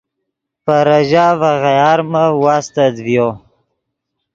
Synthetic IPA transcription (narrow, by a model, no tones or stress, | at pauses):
paɾaʒavaɣajɑːɾmawast̪ad̪vjo